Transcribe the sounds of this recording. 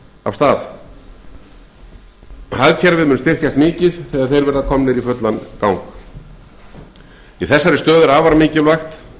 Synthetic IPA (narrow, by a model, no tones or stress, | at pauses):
a̰v̥st̪aːθ | haɣcʰɛɾvɪʏːnst̪ɪr̥t̪jast̪mɪːcɪðθɛɣaðθejɾvɛɾðakʰɔmnɪɾifœt̪lankawŋk | iθɛsːaɾɪst̪œːðʏɾaːvaɾamɪːcɪlvajxt̪